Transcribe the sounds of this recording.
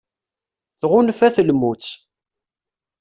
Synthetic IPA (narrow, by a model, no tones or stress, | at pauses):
θʁʊnfæθəlmut͡sː